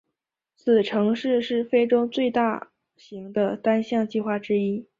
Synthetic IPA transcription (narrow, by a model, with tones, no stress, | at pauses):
t͡sʰɹ̩˨˩ʈ͡ʂʰɤ˧˥ŋʂɻ̩˥˧ʂɻ̩˥˩fe˥ɪʈ͡ʂʊ˥ŋt͡swe˥˧ɪt̪a˥˩ | ɕi˧˥ŋd̪ə˧t̪a˥nɕjɑ˥˧ŋt͡ɕi˥˧xwa˥˩ʈ͡ʂɻ̩˥i˥